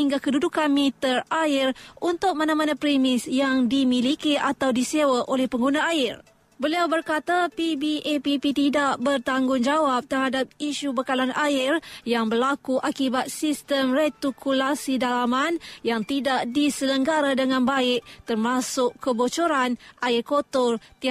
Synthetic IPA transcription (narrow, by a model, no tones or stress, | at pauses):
iŋɡakədudukanmĩt̪əraɪrunt̪ʊk̚mãnãmãnãpɾimɪsjaŋdimilikiʔat̪awdisewaʔolɛhpəŋɡunãaɪr | bəliawbərkat̪apibiʔepipit̪idaʔbərt̪aŋɡʊŋd͡ʒawap̚t̪ərɦadap̚iʃubəkalanʔaɪrjaŋbərlakuʔakibat̪̚sist̪əmret̪ukʰulasidalamanjaŋt̪idaʔdisələŋɡaɾadəŋãnbaɪk̚t̪ərmasʊkkəbot͡ʃoɾanʔaɪrkot̪ɔrt̪i